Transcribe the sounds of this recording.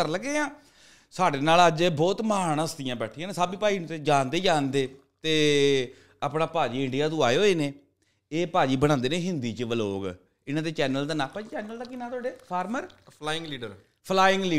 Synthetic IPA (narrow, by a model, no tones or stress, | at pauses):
əɾləɡeːãː | saːɖeːnaːləd͡ʒbɔːt̪maːnsd̪ɪjãːbɛːʈʰiãːneːsəbiːpaːĩːt̪eːd͡ʒaːnd̪eːd͡ʒaːnd̪eː | t̪eː | apnaːpaːd͡ʒiːɪɳɖijaːt̪õːaːeoːeːnẽː | eːpaːd͡ʒiːbəɽ̃ãːnd̪eːneːɦɪnd̪iːt͡ʃəʋəlo̰ːɡ | ɪnãːd̪eːt͡ʃɛːnəld̪aːnãːpaːd͡ʒiːt͡ʃɛːnəld̪aːkɪnaːt̪ʊwaːɖeːpʰaːɾməɾpʰlaːɪŋɡliːɖəɾ | pʰlaːɪ̃ŋɡliː